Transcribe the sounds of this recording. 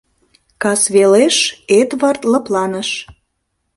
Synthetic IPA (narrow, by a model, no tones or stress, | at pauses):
kɑsβeleʃet̪βɑrt̪lə̆plɑnəʃ